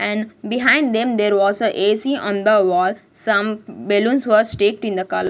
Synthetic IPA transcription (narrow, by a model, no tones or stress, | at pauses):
ʔɛ̃ɳɖbiɦãɪ̃ɳɖd̪ẽmd̪eːɾʋɔːzəʔesiʔɔ̃nd̪əʋɔːl | sʌ̃mbelũnsʋəɾsʈeːk̚ʈĩnd̪əkʌlə